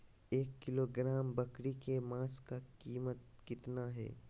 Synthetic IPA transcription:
eːkːɪloːɡɾaːmbɐkɾikemãːskakiːmət̪̚kɪt̪naɦɛ̰ː

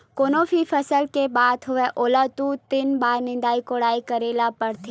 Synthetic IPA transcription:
koːnoːfʰifʰɐsəlkebaːd̪ɦʊʋeʔoːlat̪uːt̪ɪnbaːɾnɪ̃nd̪aːikoːɽaːikɐɾeːlapɐɾt̪ʰeː

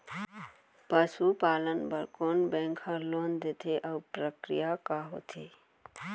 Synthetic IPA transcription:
pəsupaːlənbəɾkonbɛ̃ŋkʰhəloːnd̪et̪ʰeʔəpɾəkɾijakaɦo̰t̪ʰe

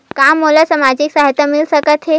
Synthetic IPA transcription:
kamːolasəmad͡ʑiksaɦit̪amilsəkət̪ɦe

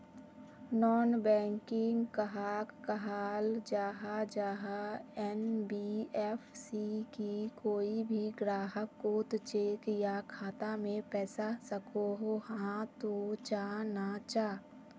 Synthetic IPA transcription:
nɔːnbɛ̃ːŋkɪ̃ŋɡkəɦaːkːəɦaːld͡ʒaːɦad͡ʒaːɦaɛnbiɛːfʰsikikoːibʱiɡɾaːɦəkːoːt̪t͡ʃeːkjakʰaːt̪amẽpɛːsasəkoɦohãt̪ot͡ʃaːnat͡ʃaː

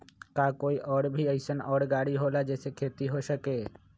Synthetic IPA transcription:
kaːkoːiʔɔːɽbʱiəɪsənɔːɽɡaːɽiɦoːlad͡ʒɛːsekʰeːt̪iɦosəkeː

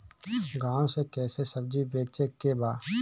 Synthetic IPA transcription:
ɡãːõsekɛːsesəb̚d͡ʒibeːt͡ʃekebaː

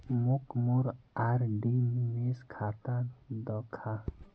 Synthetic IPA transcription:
mukmuɾaɾɖimmeskʰat̪ad̪ɔkʰa

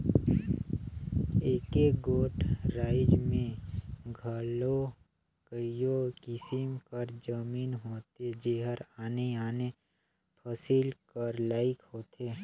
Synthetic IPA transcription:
eːkeɡoːʈʰɾaːɪd͡ʒmẽɡʱəlo | kəijokɪsɪmkəɾd͡ʒəmiːnɦoːt̪ed͡ʒeːɦəɾaːneaːne | pʰəsilkəɾlaːɪkhoːt̪ʰeː

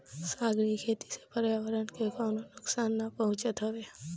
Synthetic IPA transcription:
saːɡɾikʰeːt̪i̥se̥pəɾjaːʋəɾənkekɔːnonʊksaːnːapəɦʊ̃t͡ʃət̪ɦoʋe

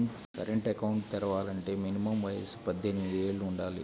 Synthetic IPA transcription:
kɐɾeɳʈɐkɐwuɳʈt̪iɾɐʋaːlɐɳʈe̞ːminimɐmʋɐjḛsu̥pɐd̪ʱːenmid̪ieːɭːuuɳɖaːlḭ

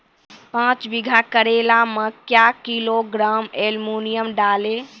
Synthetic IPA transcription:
pãt͡ʃbiɡʱakəɾelaməkjakiloɡɾaːmelmunijəmɖaːle

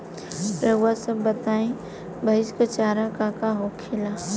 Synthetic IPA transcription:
ɾəwasəbːət̪aːẽ | bʱɐɪskat͡ʃaːɾakakaɦokʰɪlaː

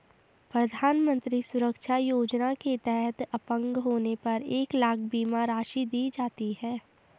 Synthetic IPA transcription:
pɾɐd̪ʱaːnmə̃nt̪ɾisʊɾəkʃajoːd͡ʒnaket̪ɛɦɛt̪ɐpə̃ŋɡɦoːnepɐɾeːklaːkʰbiːmaɾaːʃid̪iːd͡ʒaːt̪iɦɛː

